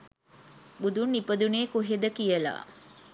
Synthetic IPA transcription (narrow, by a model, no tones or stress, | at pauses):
bud̪unːipəd̪uneːkuɦed̪əkijəla̰ː